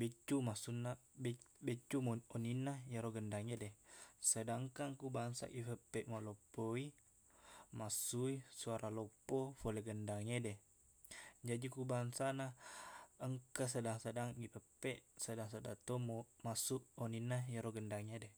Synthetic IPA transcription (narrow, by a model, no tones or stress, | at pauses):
bet͡ʃːumasunːabet͡ʃːumoninːajaɾoɡəndaŋedesədaŋkaŋkubaŋsa̰ɡipəpːɛʔmalopːoi | masuisuaɾalopːofoleɡəndaŋede | d͡ʒadikubaŋsana | əŋkas̬ədaŋsədaŋɡipəpːeʔsədaŋsada̰t̪omomasuʔoninːajaɾoɡəndaŋede